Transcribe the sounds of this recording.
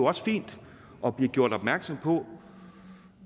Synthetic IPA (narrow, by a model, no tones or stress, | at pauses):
oɒ̽sə̥fḭːnd̥ | ʔɒ̽b̥liɡ̥jo̝ɐ̰ɾ̥ɒ̽b̥mæɐɡ̥sɒ̽m̰pʰɒ̽